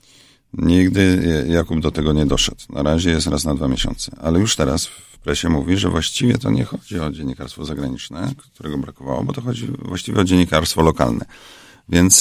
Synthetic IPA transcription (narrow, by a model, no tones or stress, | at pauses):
ɲiɡd̪ɘjakub̚d̪ɔt̪ɛɡɔɲɛd̪ɔʂɛt̪nʔa̰ɾaʑɛjɛst̪ɾasnad̪vamʲjeɕɔ̰nt̪sɛalɛjuʂt̪ɛɾasfpɾɛɕɛmuvʲiʐɛvwaɕt͡ɕivʲjɛt̪ɔɲɛxɔd͡ʑiɔd͡ʑeɲːikaɾst̪fɔzaɡɾaɲit͡ʂnɛkt̪uɾɛɡɔbɾakɔvawɔ̰bɔt̪ɔxɔd͡ʑivwaɕt͡ɕivʲɛɔd͡ʑeɲːikaɾst̪fɔlɔka̰lnɛ̰ | vʲjɛnt̪s